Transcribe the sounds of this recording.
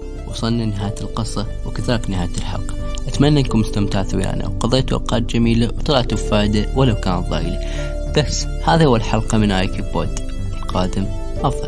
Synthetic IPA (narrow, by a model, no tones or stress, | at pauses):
wʔsˤɑnːinːɪɦaːjt̪ɪlqɨsˤɑwɪkɪðaːlɪknɪhaːjt̪ɪlħɑ̰lqɑ̥ʔat̪manːaʔɪnkʊmʊst̪amt̪aʕθawja̰ːna̰wqɑðˤeːt̪uʔa̰wqɑːt̪̚d͡ʒamiːlawt̪ˤlɑʕt̪ufaːʔd̪awalawkaːnat̪̚ˤðˤɑ̰ḭli | b̥asː | haːðahʊwːalħɑlqɑmɪnʔaːjkibo̰ːd̪ | ɪlqɑːd̪ɪm | ʔɑfðˤɑl